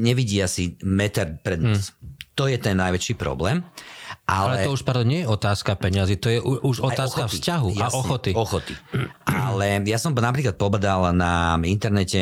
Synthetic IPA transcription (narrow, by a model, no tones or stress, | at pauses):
ɲɛʋiɟiːasimɛt̪ɛɾpɾɛd̪nast̪ɔjɛt̪ɛnːajʋɛt͡ʃiːpɾɔ̰blɛːmʔalɛɛɔuʃpɾad̪ɔɲɪɛjɛɔt̪aːskapɛɲazit̪ɔjɛʔuʔuʒɔt̪aːskafscaɦujʔasʔxɔt̪iɔxɔt̪iʔalɛjasɔmnapɾiːklat̪̚pɔbad̪alnaint̪ɛɾnɛcɛ